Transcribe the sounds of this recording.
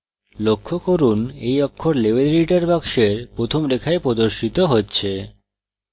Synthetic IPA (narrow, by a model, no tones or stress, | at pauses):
lokʰːokoɾunejɔkʰːoɾlebelɾiʈaɾbakʃeɾpɾot̪ʰomlekʰaepɾod̪oɾʃit̪oɦotːɕʰe